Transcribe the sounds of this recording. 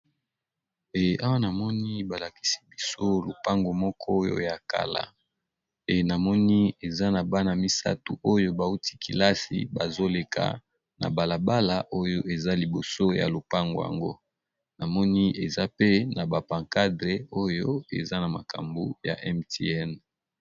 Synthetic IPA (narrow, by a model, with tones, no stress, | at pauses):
e˨ʔa˦wa˦na˨mɔ˦ni˦ba˨la˨ki̥˦si̥˦bi˦so˦lo̰˨pa˦ŋɡo˨mɔ˦kʰɔ˦jo̰˦ja˨ka̰˨la̰˨ | e˨na˨mɔ˦ni˦e˨za˦na˨ba˦na˨mi˦sa̰˦tu˨ʔo˦jo˦ba˨u˦tʰi̥˦kḭ˨la˦sḭ˨ba˨zo˦le˨kʰa̰˨ | na̰˨ba˨la˨ba˦la˨ʔo˦jo˦e˨za˦li˨bo˨so˦ja̰˨lo˨pa˦ŋɡo˨ja̰˨ŋɡo̰˦ | na˨mɔ˦ni˦e˨za˦pe˦na˨ba˨pã˨ŋka˦dʁe˨o˦jo˦ḛ˨za˦na˨ma˨ka̰˨mbṵ˦ja̰˨ʔɛ˦mte˦ɛ˦n